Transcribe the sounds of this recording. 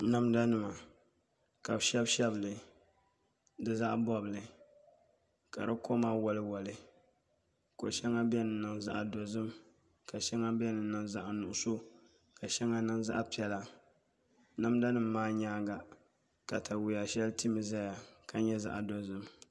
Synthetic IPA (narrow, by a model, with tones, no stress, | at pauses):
na˦mda˦nɨ˨ma˨ | ka˨bʃɛ˦bʃɛ˦blɨ˨ | dɨ˦za˦ʔbɔ˦blɨ˨ | ka̰˨ɾɨ˦ko˦maː˦wɔ˨lɨ˦wɔ˨lɨ˨ | ko̰˨ʃɛ˦ŋa˦bɛ˦nɨ˨nɨ˨ŋza˦ʔa˨do˨zɨ˦m | ka˨ʃɛ˦ŋa˦bɛ˦nɨ˨nɨ˨ŋza̰˦ʔa˨nʊ˨ʔʊ˦so˦ | ka˨ʃɛ˦ŋa˦nɨ˦ŋza̰˦ʔa˦pi˨˦ɛ˨la˨ | na˦mda˦nɨ˨mːaː˦ɲaː˦ɡa˨ | ka˨tʰa˨wu˨ja˨ʃɛ˦lti˦mɨ˨za˦ja˨ka˨ɲɛ˦za̰˨ʔa˨do˨zɨ˦m